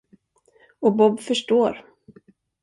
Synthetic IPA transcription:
ɔbɔbfœʂʈoːɾ

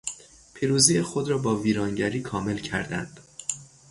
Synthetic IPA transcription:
pʰiːɾuːziːjexod̪ɾɒːbɒːviːɾɒːŋɟæɾiːkʰɒːme̞lcʰæ̰ɾd̪æ̰nd̪̥

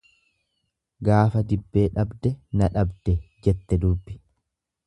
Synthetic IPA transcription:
ɡaːfɐd̪ɪbːeːᶑɐbd̪ɛnɐᶑɐbd̪ɛd͡ʒɛt̪ːɛd̪ʊbːɪ

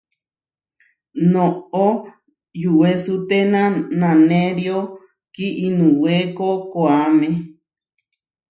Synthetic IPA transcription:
nõo | juʔwesut̪enãnãnẽɾio | kiʔinũwekokoamẽ

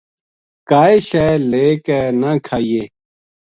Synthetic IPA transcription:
kaːeɕeleːkɛnãkʰaːieː

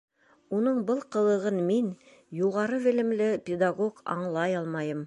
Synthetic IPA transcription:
unɤɴbɤlˠqɤ̆lˠɤ̆ʁɤnmin | juʁɑɾɤβɘ̆lɘ̆mlɘpʲɪd̪aɡoɡɑ̰ɴlˠɑjɑlˠmɑjɤm

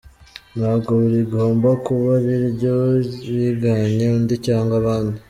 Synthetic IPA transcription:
nhaːβɡo̞βuɾiɡo̞ːmbakuβaβiɾbɟoβiɡaɲeundicaːŋɡaβaːnu

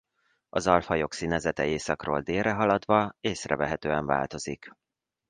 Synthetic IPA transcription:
ɒzɒlfɒjo̞ksiːnɛzɛt̪ɛeːsɒkro̰ːld̪eːrɛɦɒlɒd̪ʋɒeːsrɛ̰vɛɦɛt̪øːɛɱva̰ːlt̪o̞zik

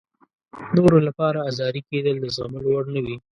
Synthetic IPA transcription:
noɾolapɑɾaːzɑɾiked̪əld̪əzɣaməlowaɽnəwi

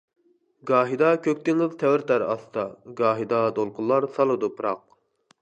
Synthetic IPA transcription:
ɡɑːɦid̪ɑkʲʰøk̚ʲt̪ɪŋɪzt̪ʰɛwɪɾt̪æɾɑ̰st̪ʰɑɡɑːɦid̪ɑd̪olˠqʰʊlˠːɑɾsɑlˠɨd̪upʰɾɑq̚

